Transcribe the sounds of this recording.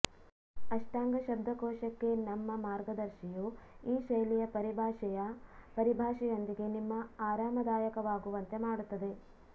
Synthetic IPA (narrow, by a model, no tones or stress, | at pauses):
ɐʂʈaːŋɡɐʃɐb̚d̪ʱɐkɔːʃɐkːe̞nɐmːɐmaːɾɡɐd̪ɐɾʃijuiːʃɐjlijɐpɐɾibʱaːʃɛjɐpɐɾibʱaːʃɛjo̞nd̪iɡe̞nimːɐaːɾaːmɐd̪aːjɐkɐʋaːɡuʋɐnt̪e̞maːɽut̪ːɐd̪e̞